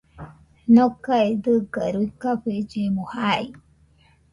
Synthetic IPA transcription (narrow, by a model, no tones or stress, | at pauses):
nokaed̪ɨɡəɾujkaɸed͡ʒemohai